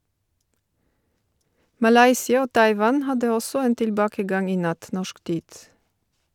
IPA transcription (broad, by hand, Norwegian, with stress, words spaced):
mɑˈlɑɪsɪɑ ˈoː ˈtɑɪʋɑn ˈhɑdə ˈɔsɔ ˈeːn tɪlˈbɑːkəˌɡɑŋ ˈiː ˈnɑt ˈnɔʃk ˈtiːd